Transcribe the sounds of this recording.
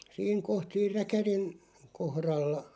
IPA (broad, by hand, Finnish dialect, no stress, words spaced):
siːŋ koht siːr rækærin kohrɑlːɑ